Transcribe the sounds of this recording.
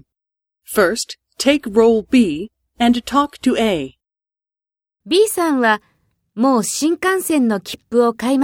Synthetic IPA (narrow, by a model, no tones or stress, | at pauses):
fɜ˞stʰeɪkɹoʊlˠbi | ɨ̃ntʰɔktʰɨʔeɪ | bʲiːsãɰ̃βa | mo̞ːɕĩŋkãɰ̃sẽ̞nːo̞kʲʰi̥pːɯ̟o̞kaim